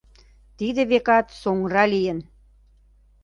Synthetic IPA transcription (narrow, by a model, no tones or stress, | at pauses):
t̪id̪ĕβekɑt̪soŋrɑlijə̆n